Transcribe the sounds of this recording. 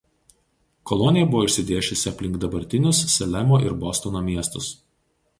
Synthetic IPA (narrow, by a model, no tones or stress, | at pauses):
kɔlˠɔnʲɪjɛbʊʋoɪʃʲsʲɪd̪ʲeːʃʲʊsʲɪɐpʲlʲɪŋkd̪ɐbɐɾʲt̪ʲɪnʲʊsːʲɛlʲɛmoːʔɪɾbɔst̪ɔnoːmʲiɛst̪ʊs